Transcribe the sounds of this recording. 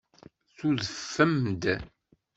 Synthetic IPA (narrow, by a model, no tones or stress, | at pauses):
θuðəfːəmd̪